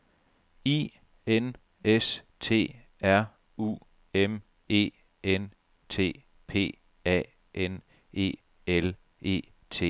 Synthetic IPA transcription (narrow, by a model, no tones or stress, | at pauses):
ḭː | en | es | t͡sʰe̝̰ː | æɐ̰ | ṵː | em | e̝̰ː | en | t͡sʰe̝̰ː | pʰe̝̰ː | ɛ̰ː | ʔen | e̝̰ː | el | ʔe̝̰ː | t͡sʰe̝̰ː